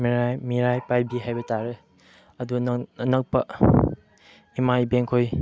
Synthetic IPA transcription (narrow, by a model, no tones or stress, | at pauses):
miɾajmiɾajpajbiɦajbɐtaɾe | ɐdunɐk̚pɐ | imajbeŋkʰoj